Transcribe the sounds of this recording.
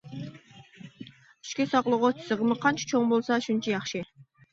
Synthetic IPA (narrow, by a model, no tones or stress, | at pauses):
y̥ʃkʲesɑqlˠuʁot͡ʃ̪ʰɪ̥sɨʁəmɨqʰɑnt͡ʃʰɑ̥t͡ʃʰoŋbolˠsɑʃʊnt͡ʃʰɑjɑχʃɨ